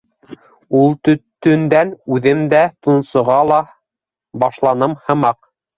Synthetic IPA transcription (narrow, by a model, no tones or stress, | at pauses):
ulˠt̪ɵ̆t̪ːɵ̆nd̪ænʉðɘmd̪æt̪ŭnsŏʁɑlˠɑ | bɑʃlˠɑnɤmhɤ̆mɑq